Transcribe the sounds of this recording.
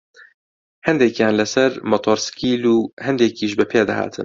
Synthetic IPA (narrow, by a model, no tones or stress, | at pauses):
hɛnd̪ɛkjaːnlɛsɛɾmɔt̪ʰoːɾskiːluːhɛnd̪ekiːʃ̬bɨpʰeːd̪a̰ha̰ːt̪ʰɨ̰n